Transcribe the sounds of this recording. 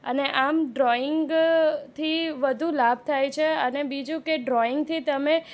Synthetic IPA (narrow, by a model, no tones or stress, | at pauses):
ə̰neʔamɖɾɔɪŋɡɡt̪ʰiʋəd̪ʱũlab̚ʱt̪ʰajt͡ʃʰeənebid͡ʒũkeɖɾɔɪŋɡ̚t̪ʰit̪əme